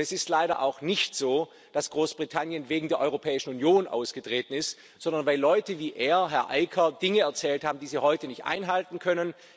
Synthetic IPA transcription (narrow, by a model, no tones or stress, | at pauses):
ɛsɪstlaɪɾɐʔa̰ʊxnɪçtz̥oː | d̥asɡ̥ʁoːsb̥ʁitʰanjənveːɡŋ̩deːɐʔɔʏopʰɛːɪʃn̩unjoːnʔa̰ʊsɡ̥ətʁ̥eːtn̩ɪst | z̥ɔndɐnvaɪlːɔʏtəviːʔeːɐɦɛɐʔaɪkʰɐd̥ɪŋəɛɐt͡sɛːlthaːbm̩diːziːhɔʏtənɪçtʔa̰ɪnɦaltn̩kʰœnən